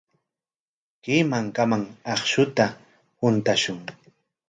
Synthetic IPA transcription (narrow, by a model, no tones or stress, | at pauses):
kiːmaŋkamaŋɑχʃʊt̪a | hʊnt̪aʃʊŋ